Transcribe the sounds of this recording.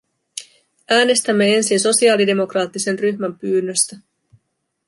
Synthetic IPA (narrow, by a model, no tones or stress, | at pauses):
ʔæːne̞st̪æmːe̞e̞nsinso̞siɑːlide̞mo̞krɑːt̪ːise̞nryçmæmpyːnːøst̪æ